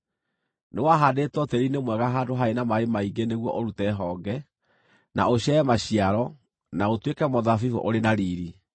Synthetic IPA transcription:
newaɦadetwɔtɛɾinemwɛɣaɦaːdoɦaenamaemaiɡeneɣwɔʔoɾutɛɦɔːɡɛ | na̰oɕɛɛmaɕiaɾɔ | naotwekɛmɔðafivo̰ʔoɾenaɾiɾi

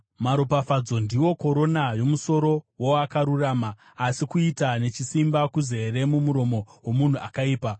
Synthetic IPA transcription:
maɾopafad͡zo̞ndiwo̞ko̞ɾo̞najo̞muso̞ɾo̞woakaɾuraːmaː | sikuitane̞t͡ʃisimbakuzeeɾe̞mumuɾo̞mo̞wo̞mun̤uakaiːpa

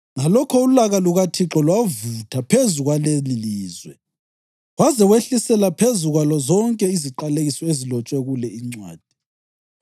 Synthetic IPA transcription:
ŋalɔkʰɔulaɣaluɣatʰiǁɔlwavutʰapʰezuɣwaleliliːzwɛ | ɣwazɛɣweɬisɛlapʰezuɣwalɔzɔŋkʼɛiziǃaleɣisɔezilɔt͡ʃʼwɛɣulɛiŋ͡ǀwa̰ːd̥ʱi

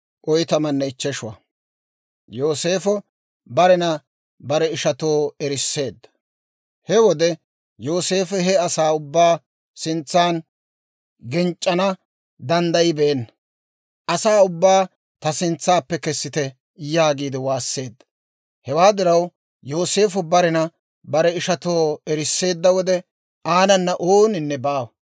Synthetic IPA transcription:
ʔɔjt̪ɐmɐnːɛɪt͡ʃːɛʃʊwɐ̰ | joːse̞ːfɔ | bɐɾɛnɐ | bɐɾɛɪʃɐt̪oːɛɾɪsːe̞ːd̪ːɐ | hɛwɔd̪ɛ | jo̞ːse̞ːfɛɦɛɐsaːʊbːaː | sɪnt͡sːaːn | ɡɪnt͡ʃʼːɐnɐ | d̪ɐnd̪ɐjɪbɛʔɛnːɐ | ʔɐsaːʊbːaː | t̪ɐsɪnt͡sːaːpːɛkɛsːɪt̪ɛ | jaːɡiːd̪ɪwaːsːe̞ːd̪ːɐ̥ | hɛwaːd̪ɪɾɐw | jo̞ːse̞ːfʊbɐɾɪnɐ | bɐɾɛɪʃɐt̪o̞ːɛɾɪsːe̞ːd̪ːɐwɔd̪ɛ | ʔaːnɐnːɐʔoːnɪnːɛbaːw

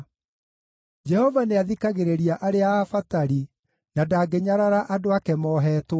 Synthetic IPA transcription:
d͡ʒɛhɔvaneaðikaɣeɾeɾiaʔaɾeaːfataɾi | nadaːɡeɲaɾaɾaʔadoakɛmɔːɦɛːtw

